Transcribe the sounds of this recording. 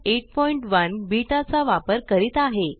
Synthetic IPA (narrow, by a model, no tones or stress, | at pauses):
eʈ̚pɔiɳʈʋənbiʈat͡saʋapəɾkəɾiːt̪aɦe